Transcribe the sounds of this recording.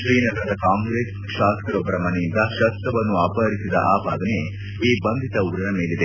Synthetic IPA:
ʃɾiːnɐlɐd̪ɐkaːŋɡɾeːs | ʃaːskɐɾɔbːɐɾɐmɐnejind̪ɐʃɐt̪ɐʋɐnːuɐpɐɦɐɾisid̪ɐ̰ʔa̰ːpaːd̪ɐne | iːbɐnd̪ʱit̪ɐuɡɾɐnɐme̞ːlid̪e

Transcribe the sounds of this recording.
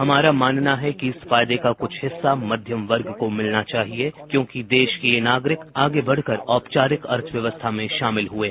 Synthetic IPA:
ɦɐmaːɾamaːnnaɦɛkiɪsfaːjd̪ekakʊt͡ʃʰɦɪsːamɐd̪ʱjəmʋɐɾɡkomɪlnat͡ʃaːɦiekjõːkid̪eːʃkeenaːɡɾɪkaːɡebɐɽ̤kəɾɔːpt͡ʃaːɾɪkɐɾt̪ʰʋjɐʋəst̪ʰamẽʃaːmɪlɦueː

